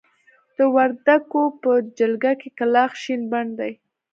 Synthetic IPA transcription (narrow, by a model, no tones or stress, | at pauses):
d̪̥əwaɾd̪akopəd͡ʒalɡakekalɑxʃinbaɳd̪aj